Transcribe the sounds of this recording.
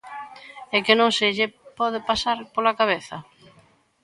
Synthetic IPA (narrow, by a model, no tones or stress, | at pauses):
ɛkɪnõŋseʎepɔðɪpasaɾpolakaβ̞eθɐ